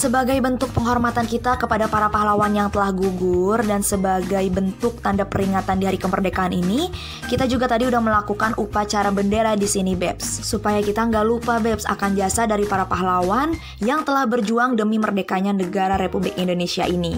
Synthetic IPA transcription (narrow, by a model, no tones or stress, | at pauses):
səbaɡajbənt̪ʊk̚pəŋɦɔrmat̪ankit̪akəpadapaɾapaɦlawanjaŋt̪əlahɡuɡʊrdansəbaɡajbənt̪ʊk̚t̪andapəɾiŋat̪andiɦaɾikəmərdekaanini | kit̪ad͡ʒuɡat̪adiudahməlakukanʔupat͡ʃaɾabəndeɾadisinibɛpsːupajakit̪aəŋɡalupabɛpsa̰kanbiasadaɾipaɾapaɦlawan | jaŋt̪əlahbərd͡ʒuaŋdəmimərdekaɲanəɡaɾaɾepublɪkindonesia̰ʔini